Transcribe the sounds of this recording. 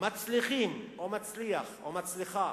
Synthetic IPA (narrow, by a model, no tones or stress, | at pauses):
mat͡sliχimomat͡sliaχo̰mat͡sliχa